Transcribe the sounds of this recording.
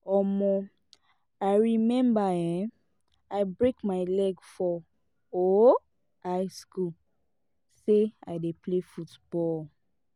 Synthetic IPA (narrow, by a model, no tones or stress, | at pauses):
ɔmɔ̃ | aɪɹimɛ̃mbaɛ̃ | aɪbɹekmaɪlɛɡfɔ | o | aɪsku | sea̰ɪdeplefutb̥ɔl